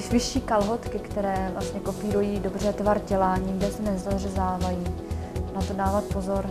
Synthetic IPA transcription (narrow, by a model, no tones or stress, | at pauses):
ɪsvɪʃiːkalɦot̪kɪkt̪ɛɾɛːvlʔast̪ɲɛko̞piːɾujiːdo̞br̝ɛt̪vaɾɟɛlaːɲiːɡdɛsɛnɛzarɛzaːvajiːnat̪odaːvat̪̚pozoɾ